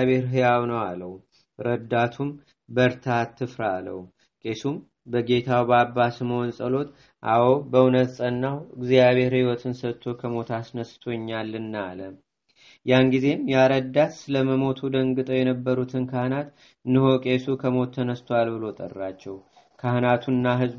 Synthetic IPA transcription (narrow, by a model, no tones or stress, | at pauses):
βe̞ɾɦɨjawnəwaləwu | ɾəd̪ːat̪ʰum | bəɾt̪ʰat̪ʰːɨfɾalə̰w | kʼe̞sum | bəɡe̞t̪ʰawbabːasməwɔnsʼəlo̞t̪ | ʔawo̞bəunət̪sʼənːawɨɡzijaβe̞ɾhiwɔt̪ʰɨnsət̪ʰːo̞kʰəmo̞t̪ʰasnəst̪ʰo̞ɲːalːɨnːalə | janɡize̞mjɛaɾəd̪at̪sɨləməmo̞t̪ʰud̪əŋɡɨt̪ʼojɛnəbːəɾut̪ʰɨnkʰahnat̪ | nɨho̞kʼe̞sukʰəmo̞t̪ʰːənəst̪ʰoalbɨlo̞t̪ʼə̰rːat͡ʃːɛw | kʰahnat̪ʰunːaɦɨzb